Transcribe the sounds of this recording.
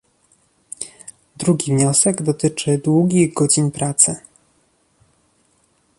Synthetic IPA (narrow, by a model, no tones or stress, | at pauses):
d̪ɾuɡʲivɲɔsɛɡd̪ɔt̪ɘt͡ʂɘd̪wuɡʲiɣɡɔd͡ʑinpɾat̪sɘ